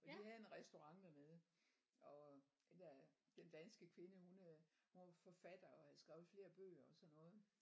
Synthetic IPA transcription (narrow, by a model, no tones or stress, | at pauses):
fɒ̽d̥iɦæðˠenʁɛsd̥o̝ʁɑ̈ŋ̰d̥æmeð̞ˠ | ɒ̽d̥end̥æd̥end̥ænsɡ̥əkʰʋe̝nəhunhunʋɑ̈fɒ̽fæd̥ɐɒ̽hæðˠsɡ̥ʁɛːʊð̩ˠfle̝ːɐb̥ø̰ːɐɒ̽sɒ̽nːɔ̽ːð̞̩ˠ